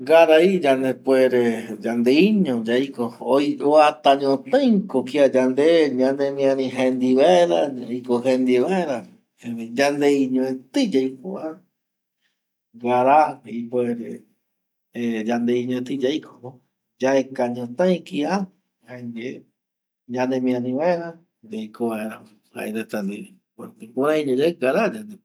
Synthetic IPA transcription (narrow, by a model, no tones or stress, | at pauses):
ɡaɾaid͡ʒand̪epweɾed͡ʒand̪eiɲõd͡ʒajkoojoat̪ãɲõt̪ãj̃kokiad͡ʒand̪eɲãnd̪emĩãɾĩɦẽnd̪iβaeɾaikoɦẽnd̪iβaeɾa | ẽd͡ʒand̪eiɲõẽt̪ɨd͡ʒajkoa | ɡaɾaipoeɾe | ed͡ʒand̪eiɲõẽt̪ɨd͡ʒajkʰoo | d͡ʒaekaɲõt̪ãĩkia | haede | ɲãnẽmĩãnĩβaeɾa | d͡ʒajkʰoβaeɾa | ha̰ʔḛɾet̪and̪i | eipõɾãĩɲõd͡ʒaɡaɾad͡ʒand̪e